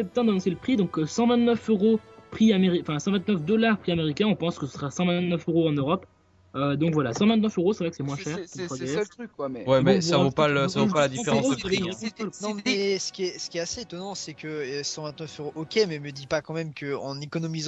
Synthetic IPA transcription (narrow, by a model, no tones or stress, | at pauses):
sɛp̚t̪ɛ̃d̪anɔ̃seləpχid̪ɔ̃køsɑ̃vɛ̃t̪nœføʁopχiameʁiɑ̃fɛ̃sɑ̃vɛ̃t̪nœfd̪ɔlaʁpχiameʁikʲɛ̃ɔ̃pɑ̃skəsə̥səʁasɑ̃vɛ̃t̪nœføʁoɑ̃nøʁɔp | ød̪ɔ̃kvwalasɑ̃vɛ̃t̪̬nœføʁosɛvʁɛkə̥sɛmwɛ̃ʃɛʁswaɡ̪ykːwwɛmɛsavopasavopalad̪ifeʁɑ̃soeɔ̃alnɔ̃ɛsə̥kʲiɛsə̥kʲiɛaseet̪ɔnɑ̃sɛkəsɑ̃vɛ̃t̪nœføʁoʔɔkʲemɛməd̪ipakɑ̃mɛmkəɑ̰̃nekɔnɔmiz